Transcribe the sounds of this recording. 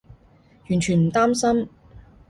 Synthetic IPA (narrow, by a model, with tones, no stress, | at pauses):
jy˨˩nt͡ʃʰyː˨˩nm̩˨˩t̪aː˥msɐ˥m